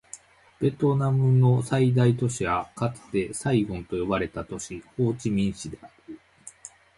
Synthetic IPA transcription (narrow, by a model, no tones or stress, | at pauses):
b̥e̞t̪o̞namɯ̟no̞said̪ait̪o̞ɕiβakat͡se̥t̪e̞saiɡõ̞nt̪o̞jo̞baɾe̞t̪at̪o̞ɕiho̞ːt͡ɕimʲĩɰ̃ɕid̪e̞aɾɯ